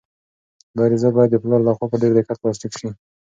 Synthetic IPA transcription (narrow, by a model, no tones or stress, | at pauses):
lɑɾizabɑjad̪ːəplɑɾlaxwapəɖeɾd̪ekat̪̚plɑstikʃi